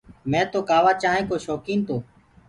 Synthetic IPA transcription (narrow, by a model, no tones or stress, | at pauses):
mɛ̃ːt̪oːkaːʋaːt͡ʃaːɦẽːkoːʃɔːkiːnt̪oː